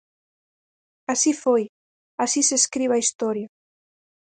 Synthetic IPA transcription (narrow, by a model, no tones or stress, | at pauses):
asifoj | asiseskɾiβaist̪ɔɾja